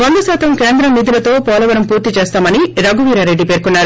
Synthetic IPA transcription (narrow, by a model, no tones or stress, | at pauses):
ʋɐnd̪ɐsaːt̪ɐmkeːnd̪ɾɐmːid̪ʱilɐt̪o̞ːpɔːlɐʋɐɾɐmpuːɾt̪it͡ʃeːst̪aːmɐniɾɐɡuʋiːɾaːɾe̞ɖːipe̞ːɾkunːaːɾu